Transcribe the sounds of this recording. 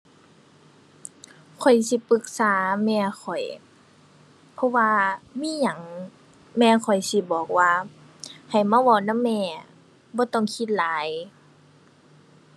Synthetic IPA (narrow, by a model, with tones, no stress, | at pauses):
kʰɔ˨˩jsi˧˦pɯ˧˦k̚saː˨˦mɛː˧kʰɔ˨˩j | pʰɔ˧˥waː˧miː˧˥˨ɲa˨˩˦ŋ | mɛː˧˩kʰɔ˨˩jsi˧˦bɔː˨˩k̚waː˧ | ha˨˩jmaː˧˥˨wɔː˧˩na˧˥˨mːɛː˧˩˨ | bɔː˧˦t̪ɔ˧˨ŋkʰi˧˦t̪̚laː˨˦j